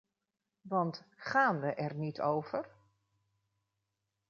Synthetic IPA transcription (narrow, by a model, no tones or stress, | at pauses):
ʋɑntχaːnʋəʔɛɹnitowv̥ər